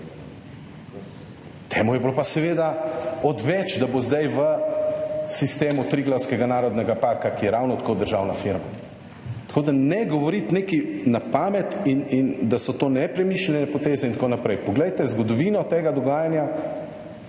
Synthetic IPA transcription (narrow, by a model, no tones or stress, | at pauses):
t̪ʰeːmujɛblopasɛʋeːd̪aɔd̪ʋɛt͡ʃd̪abozd̪ajʋə | sist̪eːmut̪ɾiɡlawskɛɡanaːɾɔd̪nɛɡapaːɾkakijɛɾawnɔt̪ḁkod̪əɾʒaːwnafiɾma | t̪akoːd̪anɛɡɔʋɔɾit̪neːkinapaːmɛt̪inind̪asɔt̪oːnɛpɾɛmiːʃlɛnɛpɔt̪eːzɛint̪konapɾɛjpɔɡlɛjt̪ɛzɡɔd̪ɔʋiːnɔt̪eːɡad̪ɔɡaːjanja